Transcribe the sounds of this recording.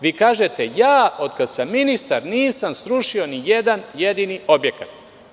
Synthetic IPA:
ʋikaːʒet̪ejaːo̞d̪kad̪samːinist̪aɾniːsamsɾuʃio̞nijed̪anje̞d̪inio̞bje̞kat̪̚

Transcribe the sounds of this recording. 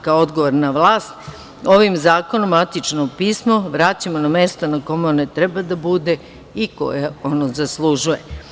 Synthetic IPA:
kao̞d̪ɡoʋoɾnaʋlˠaːst̪ | o̞ʋimzaːko̞nomat̪it͡ʃnopiːsmoʋɾaːt͡ɕamonamest̪onako̞meonet̪ɾebad̪abud̪e | iko̞̰jaonozaslˠuʒuje

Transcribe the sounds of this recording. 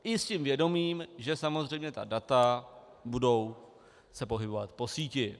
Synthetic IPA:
ʔɪscimvjɛdo̞miːmʒɛsamo̞zrɛjmɲɛt̪a̰dat̪a | budo̞w | sɛpo̞ɦɪbo̞va̰t̪po̞siːcɪ

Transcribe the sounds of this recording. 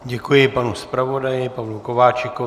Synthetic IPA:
ɟɛkujɪpanuspɾavodajɪpavlukovaːt͡ʃɪko

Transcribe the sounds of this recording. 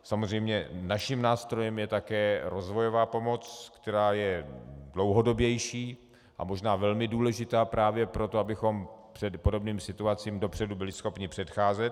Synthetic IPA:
samozrɛjmɲɛnaʃɪmnaːst̪ɾo̞jɛmjɛt̪akɛːɾo̞zvo̞jo̞vaːpo̞mo̞t͡skt̪ɛɾaːjɛdlo̞wɦo̞do̞bjɛjʃiː | ʔa̰mo̞ʒnaːvɛlmɪduːlɛʒɪt̪aːpɾaːvjɛpɾo̞t̪o̞abɪxo̞mpr̝̥ɛdpo̞do̞bniːmsɪt̪uat͡siːmdo̞pr̝̥ɛdubɪlɪsxo̞pɲɪpr̝̥ɛt̪xaːzɛt̪

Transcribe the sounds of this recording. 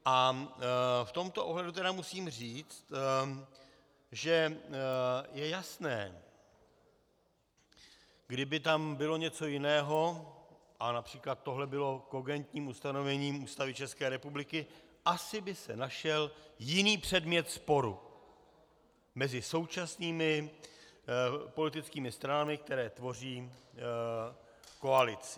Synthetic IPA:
ʔa | ft̪o̞mt̪o̞ʔoɦlɛdut̪̬ɛdamusiːmriːt͡st̪ | ʒɛ | jɛjasnɛː | ɡdɪbɪt̪ambɪlo̞ɲɛt͡so̞jɪnɛːɦo̞ | ʔanapr̝̥iːklat̪̚ːoɦlɛbɪlo̞ko̞ɡɛnt̪ɲiːmust̪ano̞vɛɲiːmuːst̪avɪt͡ʃɛskɛːɾɛpublɪkɪ | ʔasɪbɪsɛ̰naʃɛljɪniːpr̝̥ɛdmɲɛt̪spo̞ɾṵ | mɛzɪso̞wt͡ʃasniːmɪ | po̞lɪt̪ɪt͡skiːmɪst̪ɾanamɪk̚t̪ɛɾɛːt̪vo̞r̝iː | ko̞alɪt͡sɪ̥

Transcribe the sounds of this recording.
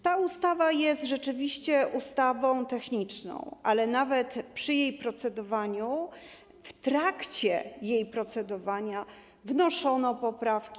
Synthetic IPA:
t̪aust̪avajɛst̪ʐɛt͡ʂɘvʲiɕt͡ɕɛʔust̪avɔ̃w̃t̪ɛxɲit͡ʂnɔ̰̃w̃ʔalɛnavɛt̪pʂɘjejpɾɔt̪sɛd̪ɔvaɲu | ft̪ɾakt͡ɕɛjejpɾɔt̪sɛd̪ɔvaɲa | vnɔʂɔnɔpɔpɾafkʲi

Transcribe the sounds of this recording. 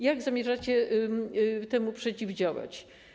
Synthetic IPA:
jaɡzamʲjɛʐat͡ɕɛ | t̪ɛmupʂɛt͡ɕivd͡ʑawa̰t͡ɕ

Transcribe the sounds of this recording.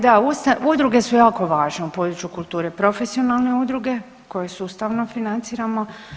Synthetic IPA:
d̪aust̪aud̪ɾuɡe̞sujaːko̞ʋaːʒne̞upo̞d̪ɾut͡ʃjukulˠt̪uːɾepɾo̞fesio̞nalˠneud̪ɾuɡe̞ | ko̞je̞suust̪aʋno̞finant̪siːɾamo̞

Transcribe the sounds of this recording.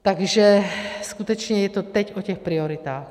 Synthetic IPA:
t̪aɡʒɛskut̪ɛt͡ʃɲɛjɛt̪ɔt̪ɛɟɔcɛxpɾiɔɾit̪aːx

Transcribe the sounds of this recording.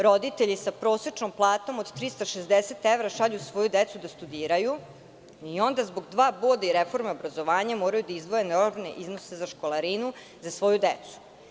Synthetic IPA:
ɾo̞d̪it̪eʎisapɾo̞ːset͡ʂnomplˠaːt̪o̞mod̪t̪ɾist̪aʃezd̪eset̪eʋɾaʃaʎusʋo̞jud̪et̪sud̪ast̪ud̪iːɾaju | io̞nd̪azboɡd̪ʋaːbod̪aiɾefo̞ɾmeobɾazo̞ʋaːɲamoːɾajud̪aizd̪ʋo̞jenoɾnḛʔiznosezaʃkolˠaɾinu | zasʋo̞jud̪et̪su̥

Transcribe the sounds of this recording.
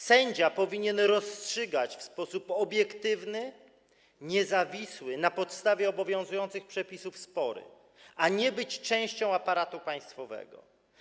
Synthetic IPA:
sɛɲd͡ʑapɔvʲiɲɛnɾɔstʂɘɡat͡ɕfspɔsupɔbʲjɛkt̪ɘvnɘ | ɲɛzavʲiswɘnapɔt̪st̪avʲjɛɔbɔvʲjɔ̃w̃zujɔnt̪sɘxpʂɛpʲisufspɔɾɘ̰ | ʔaɲɛbɘt͡ɕt͡ʂɛ̃w̃ɕt͡ɕɔ̃w̃apaɾat̪upaj̃st̪fɔvɛ̰ɡɔ̰

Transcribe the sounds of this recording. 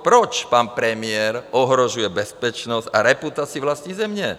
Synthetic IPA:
pɾɔt͡ʃpaːnpɾɛmɪɛɾɔɦɾɔʒujɛbɛspɛt͡ʃnɔzcaɾɛput̪aːt͡sɪiʋlasɲizɛmɲɛ

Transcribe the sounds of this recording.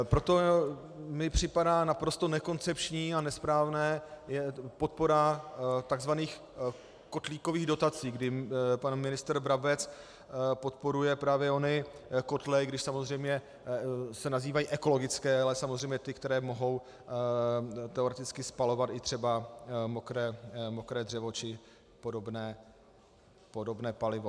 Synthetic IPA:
pɾo̞t̪o̞ | mɪpr̝̥ɪpadaːnapɾo̞st̪o̞nɛko̞nt͡sɛpt͡ʃɲiːanɛspɾaːvnɛːjɛpo̞t̪̚po̞ɾat̪aɡzvaniːx | ko̞t̪liːko̞viːɣdo̞t̪at͡siːɡdɪpanmɪnɪst̪ɾbɾabɛt͡s | po̞t̪̚po̞ɾujɛpɾaːvjɛo̞nɪko̞t̪lɛjɡdɪʃsamo̞zr̝ɛjmɲɛ | sɛnaziːvajiːʔɛko̞lo̞ɡɪt͡skɛːalɛsamozr̝ɛjmɲɛt̪ɪkt̪ɛɾɛːmo̞ɦo̞w | t̪ɛoɾɛt̪ɪt͡skɪspalo̞vat̪ɪt̪r̝̥ɛbamokɾɛːmokɾɛːdr̝ɛvo̞t͡ʃɪ | po̞dobnɛː | podo̞bnɛːpalɪvo̞

